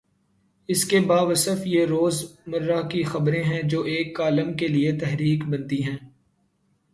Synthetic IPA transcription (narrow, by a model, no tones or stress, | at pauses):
ɪskebaːʋɐsəfjeɾoːzmɐɾːakixɐbɾẽɦɛ̃d͡ʒoːʔeːkːaːləmkeliet̪ɛɦɾiːkbɐ̃nt̪iɦɛ̃ː